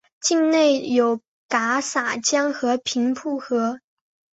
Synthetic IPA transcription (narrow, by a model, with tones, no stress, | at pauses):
t͡ɕi˥˧ŋne˥˩ɪjo˨˩ʊ | ka˧˥sa˨˩t͡ɕjɑ˥ŋxɤ˧˥pʰi˧˥ŋpʰu˥˩xɤ˧˥